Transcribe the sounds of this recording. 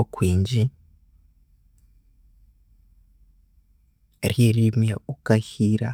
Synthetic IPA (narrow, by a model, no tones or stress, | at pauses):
kwiːɲd͡ʒi | ɾjeɾimjaukahiːɾa̰